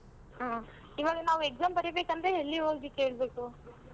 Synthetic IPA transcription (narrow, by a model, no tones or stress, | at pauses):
ɦaː | iːʋaːɡɐnaːʋuekzaːmbɐɾibeːkɐnd̪ɾeelːiɦoːɡike̞ːɭbe̞ːku